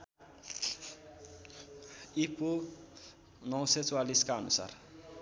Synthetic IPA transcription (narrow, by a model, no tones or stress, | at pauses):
ipo | nʌwset͡swaliskaʌnṵsa̰r